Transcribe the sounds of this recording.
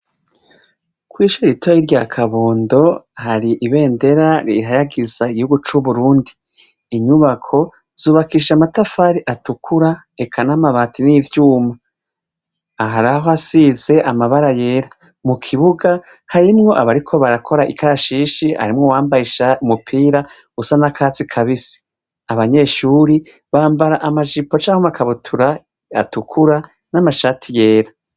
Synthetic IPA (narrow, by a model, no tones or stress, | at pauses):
kwiːʃuɾɾitojiɾɟakʰaβoːndo̞haɾiʔiβe̞ːnde̞ɾaɾihajaɡizaiɡihuɡut͡ʃuβuɾuːndiː | ɲuβakʰo̞ | z̥uːβakiːʃamatafaːɾiʔatukuɾa | e̞kʰanamaβaːtiniːvjuːma | ɦaɾaɦoasize̞ʔamaβaɾaje̞ːɾa | mukʰiβuɡa | haɾimŋo̞ʔaβaɾikʰo̞βaɾakʰo̞ɾaʔikʰaɾaʃiːʃiha̰ɾimŋowaːmbajiʃaumupʰiːɾa | ɡusanakʰaːt͡sikʰaβisi̥ | aβaɲe̞ʃuːɾi | βaːmbaɾaʔamaʒipo̞t͡ʃaːŋhomakʰaβutʰuɾa | a̰tukʰuɾa | namaʃaːtʰije̞ːɾa